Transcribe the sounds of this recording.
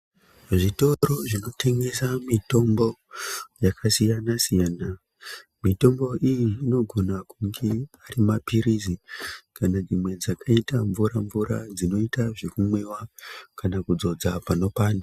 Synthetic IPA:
ʐito̞ɾo̞ʐino̞tʰe̞ŋɡe̞samito̞mbo̞jakʰasijanasijaːna | mito̞mbo̞ʔijiːno̞ɡʱo̞nakuŋɡe̞aɾimapiɾizikanad͡zimwe̞d͡zakʰaitaɱvuɾaɱvuɾa̰d͡zino̞itaʐekumwe̞wakanakud͡zo̞d͡zapano̞paːnda

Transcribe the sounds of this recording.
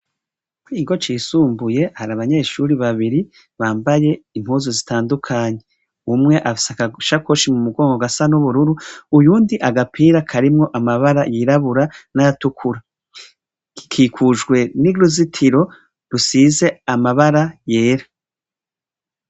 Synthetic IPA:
kwiɡo̞t͡ʃiːsuːmbuje̞haɾaβaɲe̞ːʃuɾiβaβiɾi | βaːmbaje̞im̥huzozitaːndukʰaɲe̞ | umŋe̞ʔasakaʃako̞ʃimumuɡo̞ːŋɡoɡasanuβuɾuɾuujuːndiʔaɡapʰiːɾakʰaɾimŋo̞ʔamaβaɾajiɾaβuɾanajatukʰuɾa | ikʰiːkʰuʒɡwe̞niɾuzitʰiɾo̞ | ɾusiːze̞amaβaɾajeːɾa

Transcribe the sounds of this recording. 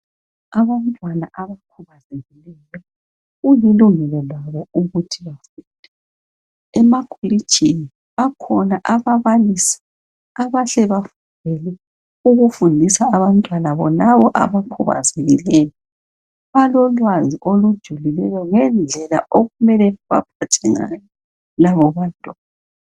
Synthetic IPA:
aβan̩tʼwanaʔaβakʰuβazevilɛjɔ | ɣujiluŋɛlɔlwaβɔuɣutʰiβafuːnd̥ʱɛ | ɛmakʰoli̥t͡ʃʰʼini | βakʰɔnaʔaβaβalisi̥ | aβaɬɛβafundʱɛlɛ | uɣufundʱisaːβantʼwalaβɔlaβɔʔa̰βakʰɔβa̰zeɣilɛːjɔ | βalɔlwaziʔolud̥ʒ̥ʱulilɛjɔŋɛnd͡ɮʱɛla̰ʔoɣumɛlɛβa̰pʰatʰɛŋa̰jɔ | laβɔβantʼɔ

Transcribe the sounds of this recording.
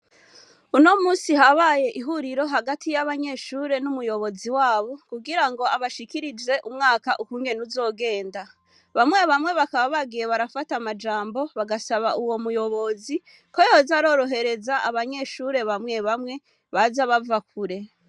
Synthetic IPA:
uno̞muːsihaβaje̞ʔiɦuɾiɾo̞ɦaɡatʰijaβaɲe̞ʃuːɾe̞numujo̞βo̞ziwaːβo̞kuɡiɾaŋɡo̞aβaʃikiɾid͡ʒe̞ʔumŋaːkaʔukuːŋɡe̞nuzo̞ːɡe̞ːnda | βamŋe̞βamŋe̞βakaβaβaɡije̞βaɾafatamad͡ʒaːmbo̞βaɡasaβaʔuwo̞mujo̞βo̞zi | ko̞jozaɾo̞ːɾo̞ɦe̞ɾe̞zaaβaɲe̞ʃuɾe̞βamŋe̞βamŋe̞ | βazaβavakʰuɾe̞

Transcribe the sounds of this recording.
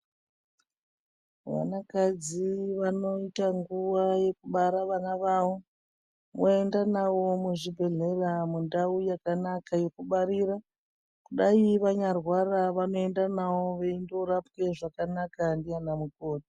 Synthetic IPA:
ʋa̰nakad͡ziʋano̞itaŋɡuʋaje̞kuɓaɾaʋanaʋawo | moe̞ndanawo̞muʐibʱe̞ɮe̞ramundaujakanakaje̞kuɓaɾiɾa | kuɗaiʋaɲarwaraʋano̞e̞ndanawo̞ʋeindo̞ɾapke̞ʐakanakandianamuko̞ːti

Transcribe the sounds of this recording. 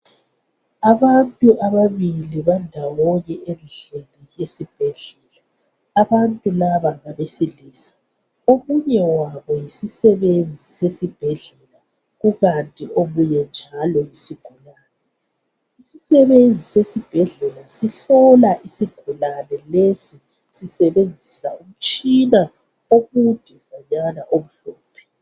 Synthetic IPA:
aβantʼuʔaβaβiliβandʱawɔɣɛʔenɮenijesib̥ʱɛɮɛlaː | βantʼulaβaβaβesiliːsḁ | omuɲɛwaβɔjisisɛβend͡zʱisesib̥ʱɛɮɛla | ɣuɣantʼioβujɛnd͡ʒʱalɔjisiɡ̥ʱulaːnɛ | isisɛβend͡zʱisesib̥ʱɛɮɛlasiɬɔlaʔisiɡ̥ʱulanɛlesi | sisɛβend͡zʱisaum̩t͡ʃʼina | oɣud̥ʱiv̥aɲanaʔoβuɮ̥ɔːpʰɛ

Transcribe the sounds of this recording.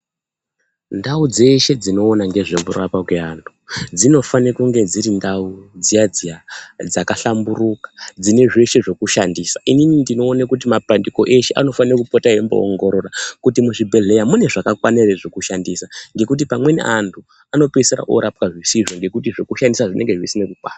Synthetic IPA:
ndaud͡ze̞ʃe̞d͡zino̞ːnaŋɡe̞ʐekurapakweantʰu̥d͡zino̞fanekuŋɡe̞d͡ziɾindaud͡zijad͡zijad͡zakaɬamburukḁd͡zine̞ʐe̞ʃe̞ʐo̞kuʃandiːsaʔininindinoːnakut̬imapandiko̞ʔe̞ʃeʔa̰no̞fanirokupotaembo̰o̰ŋɡo̞ɾo̞rakutimuʐibʱe̞ɮe̞jamune̞ʐakakwanereʐokuʃandisaŋɡe̞kut̬ipamwe̞nḭʔantʰu | ano̞peseɾa̰ʔo̰ɾapkaʐisiʐoŋɡe̞kut̬iʐo̞kuʃandisaʐinʔe̞ŋɡe̞ʐisinekukwaːta

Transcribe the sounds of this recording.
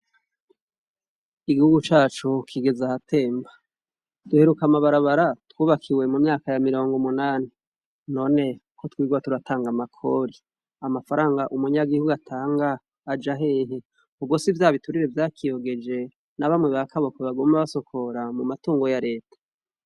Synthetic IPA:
iɡihuɡut͡ʃaːt͡ʃukʰiɡe̞zahatʰe̞ːmba | d̥uhe̞ɾukamaβaɾaβaɾatwuːβakʰiwe̞mumɲaːkajamiɾo̞ːŋɡomunaːni | no̞ːne̞kʰotwiːɡwatuɾatʰaːŋɡamakʰo̞ɾi | amafaɾaːŋɡaʔumuɲaɡihuɡuatʰaːŋɡaː | d͡ʒaɦe̞ːɦe | ubɡwo̞sivjaːβituɾiɾe̞vjaːkʰijo̞ɡe̞d͡ʒe̞ | naβamŋe̞βakʰaβokweβaɡoːmaβaso̞kʰo̞ɾamumatuːŋɡo̞jaɾe̞ːtḁ

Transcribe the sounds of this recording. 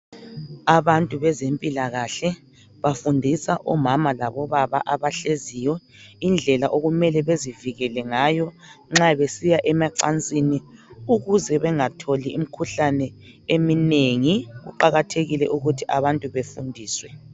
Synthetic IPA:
aβantʼuβɛzempʼilaɣaɬɛ | βafundʱisaʔɔmamalaβɔβaβa̰ʔaβaɬezijɔ | ind͡ɮʱɛlaʔoɣumɛlɛβeziviɣɛlɛŋaːjɔ | ŋ͡ǁaβesijaʔɛmaǀa̰nt͡sʼiniuɣuzɛβɛŋatʰolium̩kʰuɬanɛ | emineŋiɣṵǃaɣatʰeɣilɛ̰ʔuɣutʰiʔaβantʼuβefundʱiːswɛ

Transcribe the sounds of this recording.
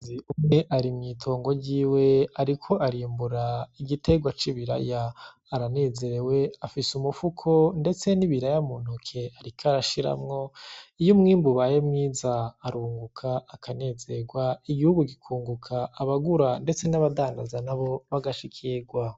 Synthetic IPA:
iumŋe̞ʔaɾimɲiːtʰo̞ːŋɡo̞ɟiːwe̞aɾikʰo̞ʔaɾiːmbuɾaiɡite̞ɡwat͡ʃiβiɾa̰jaː | ɾane̞ːze̞ɾe̞we̞afisumufukʰo̞nde̞t͡se̞niβiɾajamunukʰe̞aɾikʰaɾaʃiɾa̰mŋo̞ijomŋiːmbuβajemŋiːzaːɾuːŋɡukʰaakʰane̞ze̞ɡwaiɡihuɡuɡikʰuːŋɡukʰaːβaɡuɾande̞t͡se̞naβadaːŋdazanaβo̞βaɡaʃikʰiɡwa

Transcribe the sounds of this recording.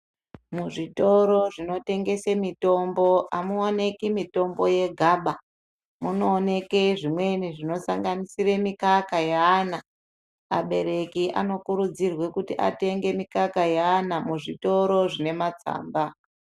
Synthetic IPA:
muʐito̞ɾo̞ʐino̞te̞ŋɡe̞semito̞mbo̞ʔamuone̞kimito̞mbo̞je̞ɡʱaːɓa | muno̞ːne̞ke̞ʐimwe̞niʐino̞saŋɡanisire̞mikakajaːna | a̰ɓe̞ɾe̞kiʔa̰no̞kuɾud͡zirwe̞kutiʔa̰te̞ŋɡe̞mikakajaːnamuʐito̞ɾo̞ʐine̞mat͡sa̰ːmba

